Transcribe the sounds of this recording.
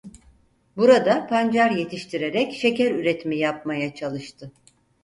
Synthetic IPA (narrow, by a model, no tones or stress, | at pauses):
buɾad̪apʰand͡ʒaɾje̞t̪ʰiʃt̪ʰiɾe̞ɾɛcʃe̞cæɾyɾet̪ʰmijap̚majat͡ʃʰalˠɯʃt̪ʰɯ